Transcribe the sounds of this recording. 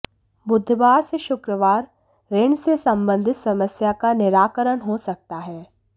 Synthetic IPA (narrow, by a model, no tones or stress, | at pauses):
bʊd̪ʱːʋaːɾseʃʊkɾəʋaːɾ | ɾeɳsesɐ̃mbə̃nd̪ʱɪt̪sɐməsjakanɪɾaːkəɾənɦosɐk̚t̪aɦɛː